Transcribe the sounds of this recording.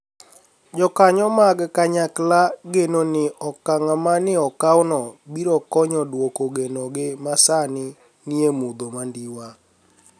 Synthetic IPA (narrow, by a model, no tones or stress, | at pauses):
d͡ʒɔkaɲɔmaɡkaɲaklaɡenonɪɔkaŋamanɪɔkawnɔbiɾɔkɔɲɔdwokoɡenoɡɪmasanɪ | niemud̪omandiwa